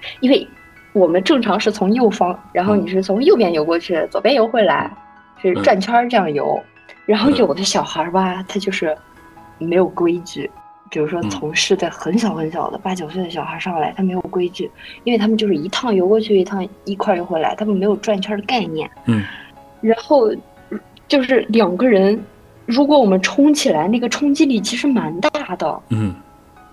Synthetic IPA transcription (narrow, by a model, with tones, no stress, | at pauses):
i˥nwe˥˩ɪ | wɔ˨˩mə˦nʈ͡ʂɤ˥˩ŋʈ͡ʂʰɑ˧˥ŋʂɻ̩˥˩t͡sʰʊ˧˥ŋjo˥˩ʊfɑ˥ŋɻa˧˥nxo˥˩ʊni˨˩ʂɻ̩˥˩t͡sʰʊ˧˥ŋjo˥˩ʊpjɛ˥njo˧˥ʊkwɔ˥˧t͡ɕʰy˥˩t͡so˨˩ʊpjɛ˥njo˧˥ʊxwe˥˩la˧˥ɪ | t͡ɕʈ͡ʂwa˥˩nt͡ɕʰwɐ˥ʈ͡ʂɤ˥˧jɑ˥˩ŋjo̰˧˥ʊ | ɻa˧˥nxo˥˩ʊjo˨˩ʊd̪ə˦ɕjɑ˨˩ʊxə˞˧˥bɐ˧t̪ʰa˥t͡ɕjo˥˧ʊʂɻ̩˥˩ | me˧˥ɪjo˨˩ʊkwe˥ɪt͡ɕy˥˩ | pi˨˩ɻu˧˥ʂwɔ˥t͡sʰʊ˧˥ŋʂɻ̩˥˧ta˥˩xə˧˥nɕjɑ˨˩ʊxə˧˥nɕjɑ˨˩ʊd̪ə̰˦pa˥˩t͡ɕjo˨˩ʊswe˥˧d̪ə˩ɕjɑ˨˩ʊxə˧˥ʂɑ˥˧ŋ˥˩la˧˥ɪt̪ʰa˥me˧˥ɪjo˨˩ʊkwe˥ɪt͡ɕy˥˩i˥nwt̪ʰa˥mə˨nt͡ɕjʂɻ̩˥˧i˧˥t̪ʰɑ˥˩ŋjo˧˥ʊkwɔ˥t͡ɕʰy˥˩i˧˥t̪ʰɑ˥˧ŋi˥˩kʰwa˥˩jo˧˥ʊxwla˧˥ɪt̪ʰa˥mə˨nme˧˥ɪjo˨˩ʊʈ͡ʂwnt͡ɕʰa˥d̪ə˧ka˥˧ɪnjɛ̰˥˩n˥ | ɻa˧˥nxo˥˧ʊ | t͡ɕjo˥˧ʊʂɻ̩˥˩ljɑ˨˩ŋɡə˦ɻə˧˥n | ɻu˧˥kwɔ˧˥wɔ˨˩mə˦nʈ͡ʂʰʊ˥ŋt͡ɕʰi˨˩la˧˥ɪna˥˩ɡə˩ʈ͡ʂʰʊ˥ŋt͡ɕi˥li˨˩t͡ɕʰi˧˥ʂɻ̩˧˥ma˧˥nt̪a˥˩d̪ə̰˩